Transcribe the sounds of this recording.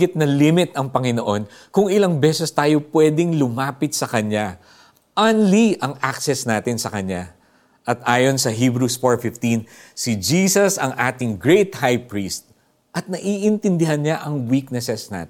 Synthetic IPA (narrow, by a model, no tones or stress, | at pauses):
ɪt̪̚nɐlimɪt̪ɐŋpɐŋɪnoʔo̞n | kʊŋɪlɐŋbɛsɛst̪aːjo̞pwɛːd̪ɪŋlʊmaːpɪt̪̚sɐkɐɲa | ʔanliʔɐŋʔaksɛsnaːt̪ɪnsɐkɐɲa | ʔɐt̪̚ʔaːjo̞nsɐɦiːbɾusfoɹfɪft̪insɪd͡ʒiːsɐsɐŋʔaːt̪ɪŋɡɹejt̪hajpɹiːst̪̚ | ʔɐt̪̚nɐʔiːʔɪnt̪ɪnd̪ɪhɐnɲaʔɐŋwik̚nɛsɛsna̰ːt̪